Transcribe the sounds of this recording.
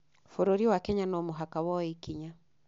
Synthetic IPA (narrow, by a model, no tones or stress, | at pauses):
foɾoɾiwakɛɲanɔmoɦakawɔikiɲa